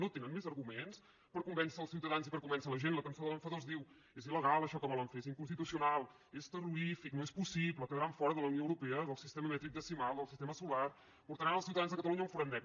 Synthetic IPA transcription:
not̪enənmezəɾɣumens | pəɾkumbɛnsəːlˠsiwt̪əðanzipəɾkumbɛnsələʒenləkənsoðələɱfəðozðiw | eziləɣalˠəʃɔkəβɔləɱfeeziŋkunst̪it̪usiunalˠ | est̪əruɾifiknoespusipləkəðəɾaɱfɔɾəðələwnioəwɾupɛəðəlˠsist̪ɛməmɛt̪ɾik̚d̪əsimalˠd̪əlˠsist̪ɛməsular | puɾt̪əɾanəlˠsiwt̪əðanzðəkət̪əluɲəuɱfuɾandɛp

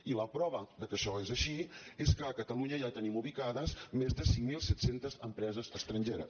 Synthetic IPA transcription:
iləpɾɔβəd̪əkəʃɔezəʃieskəːkət̪əluɲəjat̪ənimuβikaðəzmezðəsiŋmilˠsɛt̪sent̪əzəmpɾɛzəzəkst̪ɾənʲʒeɾə̰s

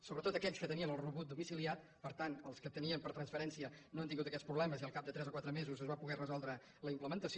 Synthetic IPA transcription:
soβɾət̪ot̪əkɛʎskət̪əniənəlˠruβut̪̚d̪umisiliat̪̚ | pəɾt̪anəlˠskət̪əniəmpəɾt̪ɾənsfəɾɛnsiənoənt̪iŋɡut̪əkɛtspɾuβlɛməziəlˠkap̚d̪ət̪ɾɛzəkwat̪ɾəmezuzəzβapuɣɛrəzɔlˠd̪ɾə | ləimpləmənt̪əsi

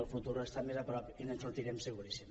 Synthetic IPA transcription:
əlˠfut̪uɾest̪amezapɾɔpinensunt̪iɾemseɣuɾisim

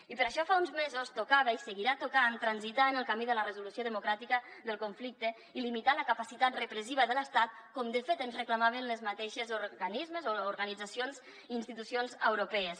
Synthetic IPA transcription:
ipəɾəʃɔfaunzmezost̪ukaβəisəɣiɾat̪ukant̪ɾənzit̪aənəlˠkamiðələrəzulusioðəmukɾat̪ikəðəlˠkuɱflik̚t̪ə | ilimit̪aləkəpasit̪at̪rəpɾəs̬iβəðələst̪at̪̚kɔmd̪əfet̪ənzrəkləmaβ̞ənləzmat̪eʃəzuɾɣanizməzoːɾɣənid͡zəsionz | iːnst̪it̪usionzəwɾopɛəs

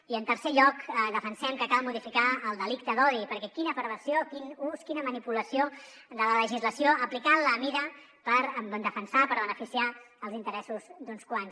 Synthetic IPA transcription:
iənt̪əɾseʎɔkd̪əfənsɛmkəkalˠmuðifikaəlˠd̪əlik̚t̪əðɔðipəɾkɛkinəpɾəβəsiokinuskinəmənipuləsio | d̪ələləʒizləsioʔəplikaləmiɾə | pəɾbnd̪əfənsapəɾβənəfisia | əlˠzint̪əɾɛsuzd̪unskwans

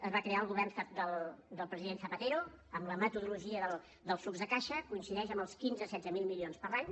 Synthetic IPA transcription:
əzβakɾeaəlˠɣuβ̞ɛrnfad̪əlˠd̪əlˠpɾəziðenθəpət̪eɾu | əmləmət̪uðuluʒiəðəlˠ | d̪əlˠsuɡzðəkaʃəkuinsiðɛʃəmbəlˠskinzəsɛdd͡zəmilˠmilionspəɾlaɲ

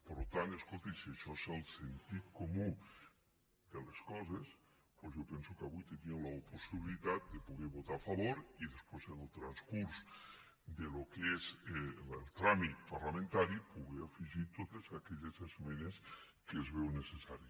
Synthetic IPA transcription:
poɾlot̪ant̪eskolˠt̪isieʃɔezelˠsent̪it̪̚komu | d̪eleskɔzes | pozjowpɛnsukaβujt̪eniolaoposiβilit̪at̪̚d̪epuɣeβot̪aafaβ̞oɾiðespwezelˠt̪ɾanskuɾs | d̪elokezlelˠt̪ɾamit̪̚paɾlamẽnt̪aɾipuɣeafiʒit̪ot̪ezakɛʎezezmenes | keːzβewnesesaɾi

